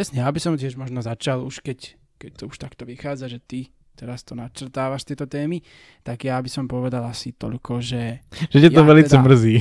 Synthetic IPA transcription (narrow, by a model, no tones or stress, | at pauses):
pɾɛsɲɛjabisɔmt̪ɪɛʒmɔʒnɔzat͡ʃaluʃkɛc | kɛc̚t̪ɔuʃt̪akt̪ɔʋixaːd͡zaʒɛt̪i | t̪ɛɾast̪ɔnat͡ʃr̩t̪aːʋaʃt̪ɪɛt̪ɔt̪ɛːmi | t̪aɡjabisɔmpɔʋɛd̪alasit̪ɔ̰ʎkʰɔʒɛʒ̥ɛcɛt̪ɔʋɛlit͡s̪ɛmr̩ziː